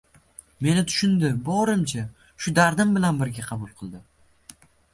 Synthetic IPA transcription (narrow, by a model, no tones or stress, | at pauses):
me̞nɪt̪ʰʊ̥ʃʊnd̪ɪbɒɾɪmt͡ʃʰa | ʃʊd̪aɾd̪ɪmbɪlanbɪɾɡʲaqʰɑbʊlˠqʰɨlˠd̪ɪ